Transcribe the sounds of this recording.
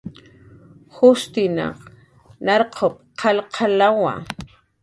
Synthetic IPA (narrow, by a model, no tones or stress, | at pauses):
xʊst̪ɪna̰q | naɾqʰop̚qʰɑlqʰalawa̰